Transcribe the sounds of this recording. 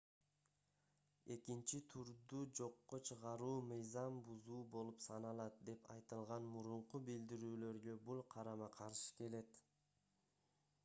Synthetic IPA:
e̞kint͡ʃit̪ʰuɾd̪ud͡ʒo̞qːot͡ʃʰɯʁɑɾuːmɯjzɑmbuzuːbo̞lˠupsɑnɑlˠɑt̪̚d̪e̞pɑjt̪ɯlˠʁɑnmuɾuɴqubild̪iɾyːlø̞ɾɡø̞bulˠqʰɑɾɑmɑqʰɑɾʃɯ̥ke̞le̞t̪

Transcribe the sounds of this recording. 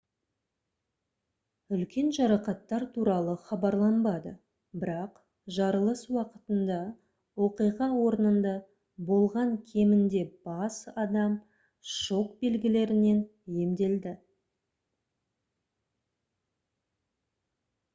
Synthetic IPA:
ʏlkʲe̞nʒɑɾɑqɑt̪ːɑɾt̪ʰuɾɑlˠəχɑbɑɾlˠɑnbɑd̪ə̰ | bɪɾɑq | ʒɑɾəlˠəswɑqət̪ənd̪ɑ | wo̞qijʁɑwo̞ɾənənd̪ɑ | bo̞lˠʁɑŋkʲʰe̞mɪnd̪e̞b̥ɑsɑd̪ɑm | ʃo̞k̚be̞lɡʲɪle̞ɾɪne̞nje̞md̪e̞ld̪ɪ

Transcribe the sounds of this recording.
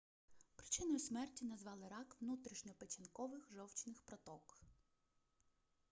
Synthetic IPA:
pɾɪt͡ʃɪnɔjʊsmɛrtʲinɐzʋɑlˠɪɾɑkʋnut̪ɾʲiʃnʲɔpet͡ʃʲɐnkɔʋɪxʒɔwt͡ʃnɪxpɾɔt̪ɔk

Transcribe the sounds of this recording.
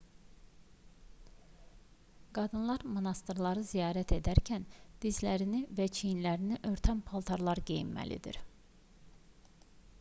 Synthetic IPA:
ɡ̥ɑd̪ɯnlˠɑɾmonɑst̪ɾlˠɑɾɯzijɑːɾæt̪ʰe̞d̪æɾcʰænd̪̥izlæɾinivæt͡ʃʰijinlæɾiniʔø̞ɾt̪ʰænpʰolˠt̪ʰɑɾlˠɑɾɡejḭmːæ̰lḭd̪ḭɾ

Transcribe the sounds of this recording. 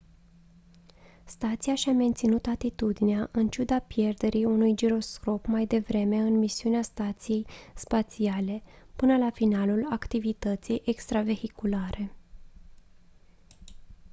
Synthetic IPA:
st̪at̪sijaʃame̞nt̪sinut̪at̪it̪ud̪ineaʔɨnt͡ʃud̪apje̞rd̪e̞ɾʔiunujd͡ʒiɾo̞sko̞pmajd̪e̞vɾe̞me̞ɨnmisiuneast̪at̪sije̞jspat̪siale̞pɨnəlafinalulakt̪ivit̪ət̪sijʔe̞kst̪ɾave̞hikulaɾʔe̞

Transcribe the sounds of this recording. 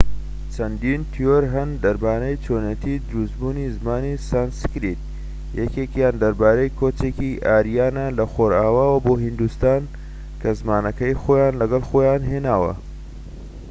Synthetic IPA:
t͡ʃʰɐnd̪iːnt̪ʰijoɾɦɐnd̪ɐɾbaːnɐjt͡ʃʰoːnet̪ʰiːd̪ɨɾusbuːnizmaːnisanskɾit̪̚ | jɛkekjaːnd̪ɐɾbaːɾɐjkʰot͡ʃeːkiʔaːɾijaːnalɐxoːɾaːwaːwɐboːɦind̪ust̪aːn | kʰɐzmaːnɐkɐjxoːjaːnlɐɡɐlxoːjaːnɦeːnaːwɐ̰

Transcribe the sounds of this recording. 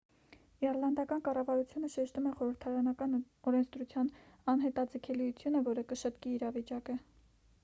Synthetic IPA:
ɛɾlɑnd̪ɑkɑnkɑrɑvɑɾut͡sʰjunəʃɛʃt̪umɛχɔɾəɾt̪ʰɑɾɑnɑkɑn | ɔɾɛnt͡sʰd̪ɾut͡sʰjɑnɑnɦɛt̪ɑd͡zəkʰɛlijut͡sʰjunəvɔɾəkəʃət̪kiːɾɑvit͡ʃɑkə

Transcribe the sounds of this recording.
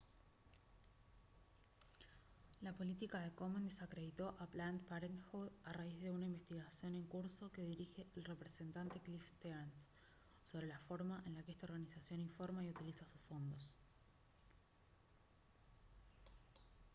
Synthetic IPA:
lapo̞lit̪ikaðe̞ko̞mend̪esakɾe̞ð̞it̪o̞ʔaplant̪paɾenxuðaraizðe̞unaimbe̞st̪iɣasjo̞ne̞ŋkuɾso̞ke̞ðiɾixe̞ʔːlre̞pɾe̞se̞nt̪ant̪e̞klift̪eɾnsː | o̞βɾe̞lafo̞ɾmaʔenlakeest̪ao̞ɾɣanisasjo̞niɱfo̞ɾmaiut̪ilisasu̥sfo̞nd̪o̞s

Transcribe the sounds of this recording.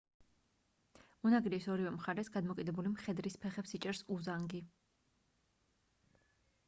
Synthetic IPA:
unaɡɾisɔɾivɛmχaɾɛsɡad̪mɔkʼid̪ɛbulimχɛd̪ɾispʰɛχɛpsit͡ʃʼɛɾsuzaŋɡi

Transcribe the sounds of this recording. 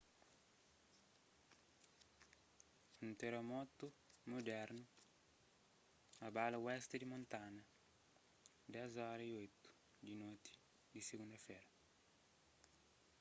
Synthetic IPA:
unt̪eɾomɔt̪umod̪ɛɾnu | abalawɛst̪ed̪imõnt̪anɐ | d̪ɛzɔɾɐiojt̪u̥ | d̪inot̪i̥ | d̪iseɡũnd̪ɐfɛɾɐ

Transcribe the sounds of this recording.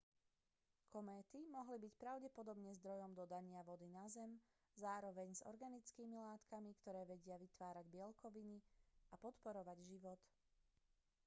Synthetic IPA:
kʰɔmɛːt̪imɔɦlibicpɾaʊɟɛpɔd̪ɔbɲɛzd̪ɾɔjɔmd̪ɔd̪aɲɪaʋɔd̪inazɛm | zaːɾɔʋɛɲzɔ̰ɾɡanit͡skiːmilaːt̪kamikt̪ɔɾɛːʋɛɟɪaʋit̪ʋaːɾaɟbɪɛlkɔʋiniʔapɔt̪pɔɾɔʋaɟʒiʋɔt̪

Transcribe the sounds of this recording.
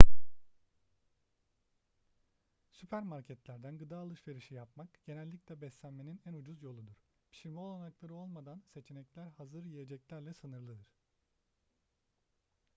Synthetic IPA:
sypʰæɾmaɾcʰɛt̪lʲæɾd̪ænɡɯd̪aːlˠɯʃve̞ɾiʃijapmakɟ̥e̞nɛlʲːicʲlʲɛbɛslʲænme̞ninænud͡ʒuzjo̞lˠud̪uɾ̥ | bʰi̥ʃiɾmɛo̞lˠanaklˠaɾɯo̞lˠmad̪anse̞t͡ʃʰenɛclʲæɾhazɯɾjije̞d͡ʒɛclʲæɾlʲɛsɯnɯɾlˠɯd̪ɯɾ̥

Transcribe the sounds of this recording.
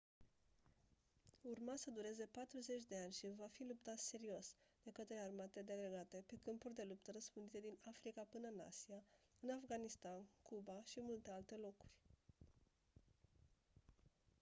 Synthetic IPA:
urmasəd̪uɾe̞ze̞pat̪ɾuze̞t͡ʃʲd̪e̞anʲʃivafilup̚t̪at̪se̞ɾio̞sd̪̥e̞kət̪ɾe̞armat̪ed̪eɡɾeɡat̪e̞pekɨmpurʲd̪e̞lupt̪əɾəspɨnd̪it̪e̞d̪inafɾikapɨnəna̰siaɨnafɡanist̪ankubaʃimult̪e̞alt̪e̞lo̞ku̥rʲ

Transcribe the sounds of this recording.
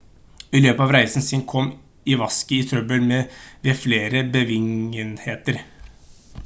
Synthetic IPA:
ɪløːpəɑːʋɾæɪsn̩sɪnkʰɔm | ɪʋɑskəɪt̪ʰɾœbəlmɛʋefleːɾəbəʋɪŋənheːt̪əɾ

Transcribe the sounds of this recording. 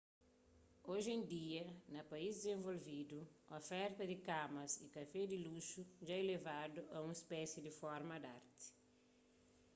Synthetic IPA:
oʒẽnd̪iɐnɐpɐizd̪ɪzẽɱvolvid̪uofɛɾt̪ɐd̪ikamɐsikɐfɛd̪iluʃuʒaelevad̪uʔɐũŋispɛsjid̪ifɔɾmɐd̪a̰ɾt̪i̥

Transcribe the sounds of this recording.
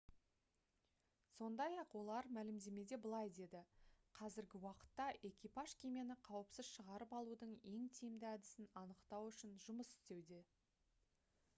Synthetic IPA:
so̞nd̪ɑjɑqwo̞lˠɑɾmælɪmd̪e̞me̞d̪e̞bəlˠɑjd̪e̞d̪ɪqʰɑzɪɾɡʲɪwɑqə̥t̪ːɑʔe̞kʲijpaʒkʲʰemijenɪqʰɑwəpsɪz̥ʃəʁɑɾəpɑlˠud̪əɴe̞ŋt̪ʰijmd̪ɪæd̪ɪsɪnɑnəqt̪ɑwʏʃɪnʒʊməsʏ̥st̪e̞wd̪e̞

